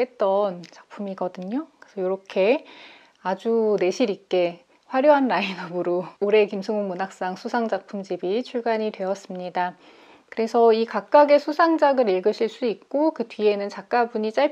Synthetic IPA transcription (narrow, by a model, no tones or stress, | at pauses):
et̚t͈ʌnt͡ɕak̚pʰumiɡʌdɯɲokesʰʌjoɾʌkʰe̞ | ad͡ʑune̞ɕʰiɾik͈e̞ | ɸwaɾjoɦanːainʌɡɯɾoːɾe̞kimsʰɯŋoŋmunak̚s͈aŋsʰusʰaŋd͡ʑak̚pʰumd͡ʑibit͡ɕʰuɭɡaɲidwe̞ʌs͈ɯmɲida | kɯɾe̞sʰʌikak̚k͈aɡe̞sʰusʰaŋd͡ʑaɡɯɾiɭɡɯɕʰiɭs͈uik̚k͈okɯtɥie̞nɯnt͡ɕak̚k͈abuɲit͡ɕ͈aɭ